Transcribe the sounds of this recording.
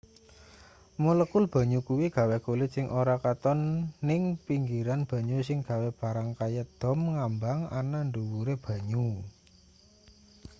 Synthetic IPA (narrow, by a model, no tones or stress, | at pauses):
moləkʊlb̥ä̤ɲukuwiɡ̥ä̤wekulɪt̪sɪŋʔoɾakat̪ɔnːɪŋpiŋɡiɾanb̥a̤ɲusɪŋɡ̥ä̤web̥a̤ɾaŋkajəd̪̥ɔ̤mŋambaŋa̰naɳduwuɾeb̥ä̤ɲu